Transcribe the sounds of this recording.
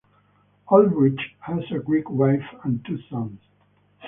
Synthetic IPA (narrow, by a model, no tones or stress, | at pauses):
ɔlwɹɪt͡ʃhæzɨɡɹikwaɪfə̃ntʰusʌ̃nz̥